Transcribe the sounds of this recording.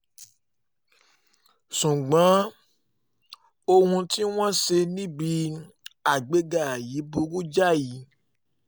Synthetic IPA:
sũ˨ɡ͡bã˨˦ | o˧hũ˧ti˦w̃ɔ̃˦se˧nĩ˦bi˧ | a˨ɡ͡be˨˦ɡa˦˨a˨ji˨˦bu˦ɡu˦d͡ʒa˦˨ji˨˦

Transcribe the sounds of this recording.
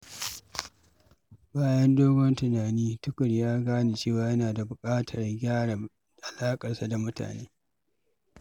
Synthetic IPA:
baː˦jɐ˦ndoː˦ɡʷɔ˦ntʊ˨naː˨niː˦tʊ˦kʷʼʊ˨ɽjaː˦ɡaː˦ni˨t͡ʃeː˦˨waː˨jɐ˦naː˨da˨bʊ˨kʼaː˦tʰɐ˨rɡʲaː˦ɽa˨ | ʔa˨laː˦kʼɐ˨rsa˦da˨mʊ˦ta̰ː˨neː˦

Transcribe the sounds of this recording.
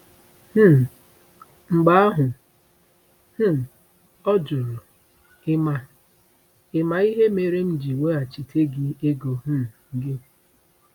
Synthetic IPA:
h̩˦˨ | ŋ͡m̩˨ɡ͡ba˦a˦ɦʊ˨ | h̩˦˨ | ɔ˦d͡ʒʊ˨ɾu˨ | ɪ˦ma˨ | ɪ˦ma˨i˦ɦe˦me˨ɾe˦m̩˦d͡ʒi˨we˦a˨t͡ʃi˨tʰe˦ɡɪ˨e˦ɡo˨ɦ̩˦˨ɡɪ˦

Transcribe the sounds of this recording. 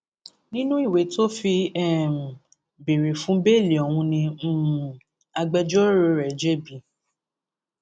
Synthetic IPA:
nĩ˦nũ˦i˦˨we˨˦to˦fi˧ɛ˦˨ | be˨ɾe˨fũ˨˦be˦˨le˨ɔ˨wũ˧nĩ˧˦˨ | a˧ɡ͡bɛ˧d͡ʒɔ˦ɾo˧ɾɛ˨d͡ʒɛ˦bi˨˦

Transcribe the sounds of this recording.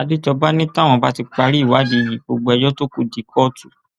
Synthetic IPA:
a˨˧di˦d͡ʒɔ˧ba˦nĩ˦ta˦w̃ɔ̃˧ba˦ti˧k͡pa˧ɾi˦˨wa˨˦di˨˧ji˨ɡ͡bo˧ɡ͡bo˧ɛ˧jɔ˦to˦ku˦di˧˦kʰɔ˦tu˨

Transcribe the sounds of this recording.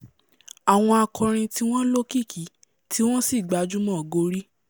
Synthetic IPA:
a˨w̃ɔ̃˧a˧kʰɔ̃˧ɾ̃ĩ˧ti˦w̃ɔ̃˦lo˦ki˦˨kʰi˨˦ | tʰi˦w̃ɔ̃˦si˦˨ɡ͡ba˨˧˦d͡ʒu˦mɔ̃˦˨ɡo˧ɾi˦

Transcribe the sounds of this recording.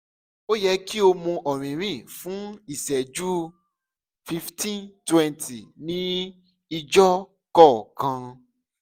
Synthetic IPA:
o˦jɛ˧ki˦o˧mũ˧ʔɔ˨ɾ̃ĩ˨ɾ̃ĩ˦˨fũ˦i˨sɛ˨d͡ʒu˦ | fi˧ftʰĩ˦ntwɛ̃˧ntʰi˨nĩ˦ | i˧d͡ʒɔ˦ | kɔ˦˨kã˧

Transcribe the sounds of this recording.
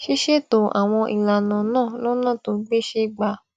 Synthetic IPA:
ʃi˦ʃe˦˨to˧˨ʔa̰˨w̃ɔ̃˧ʔi˨la˨nã˨˦nãː˦˨lɔ˦nã˦˨to˧˦ɡ͡be˦ʃe˧˦ɡ͡ba˧

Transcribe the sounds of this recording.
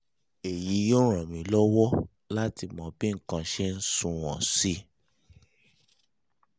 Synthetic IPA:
e˨ji˨˦jo˦ɾ̃ã˨mĩ˨˦lɔ˦wɔ˦ | la˦ti˧˨mɔ̃˨˧bi˦ŋ̩˦kã˧˨ʃɛ˦n̩˦sũ˦˧w̃ɔ̃˨si˦

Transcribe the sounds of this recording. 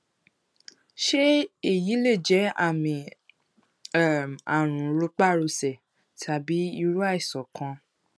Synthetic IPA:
ʃe˦e˦˨ji˨˦le˦˨d͡ʒɛ˨˦a˦˨mĩ˨˦˨ | a˨ɾ̃ũ˨˦ɾo˧˦k͡pa˦˨ɾo˧sɛ˨ | tʰa˨bi˨˦i˧ɾu˦a˦i˦˨sɔ˨kʰã˧

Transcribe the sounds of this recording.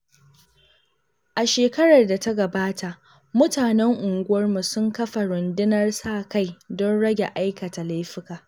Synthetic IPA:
ʔa˨ʃeː˨kɐ˦ɽɐ˨rda˨ta˦ɡɐ˨baː˦ta˨ʔ | mʊ˦taː˨nɛ˦ŋʔʊ˨ŋɡʷʊ˦wɐ˦rmu˨sʊ˦ŋkɐ˦ɸa˨ɽʊ˨ndɪ˦nɐ˦rsaː˦˨ka˦jdɔ˦nɽɐ˦ɡʲe˨ʔa˦jkɐ˨ta˨la˦jɸɪ˦kaː˨

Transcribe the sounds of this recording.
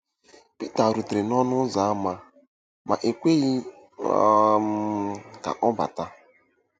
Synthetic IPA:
pi˦ta˨ɾu˨tɾe˨nɔ˦nʊ˦za˨˦ma˦ | ma̰˨ʔe˨kʷe˦ɣi˦ | ka̰˨ʔɔ˦ba̰˨ta˦

